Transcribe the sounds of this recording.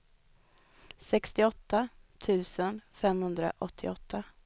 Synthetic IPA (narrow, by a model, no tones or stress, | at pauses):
sɛkst̪ɪɔt̪ːat̪ʰʉ̟ːsənfɛmhɵnd̪ɾa̰ʔɔt̪ʰːɪɔt̪ʰːa